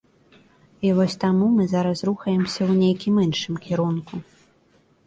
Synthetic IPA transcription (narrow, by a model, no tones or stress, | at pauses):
ivɔsʲt̪amumɨzaɾɐsruxɐjɛmsʲɐwnʲejkʲimɨnʂɨmkʲiɾunku